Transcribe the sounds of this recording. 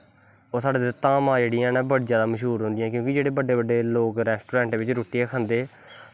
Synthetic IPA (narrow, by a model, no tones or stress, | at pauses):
oːsaːɖeːd̪t̪ãːmãːd͡ʒeːɽijãːnːbəɽid͡ʒjaːd̪aːməʃɦuːɾɦʊ̃nd̪ɪjãːk̬jõːkɪd͡ʒeːɽeːbəɖeːbəɖːeːloːkɾɛːsʈuːɾɛ̃ːɳʈʋɪt͡ʃɾoːʈieːkʰənd̪eː